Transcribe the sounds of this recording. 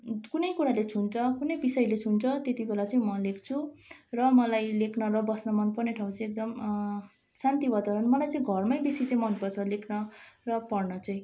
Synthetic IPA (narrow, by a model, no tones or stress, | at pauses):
kunʌjkuɾalet͡sʰunt͡sʰʌkunʌjbisʌjlet͡sʰunt͡sʰʌt̪et̪ibʱelat͡sʌĩmʌlekt͡sʰurʌmʌlajlekʰnʌrʌbʌsnʌmʌnpʌrneʈʰaw̃t͡sʰʌ̃ek̚d̪ʌm | sant̪ibʌt̪aɾʌnmʌlajt͡sʌĩɡʱʌrmajbesit͡sʌĩmʌnpʌrt͡sʰʌlekʰnʌrʌpʌrnʌt͡sʌĩ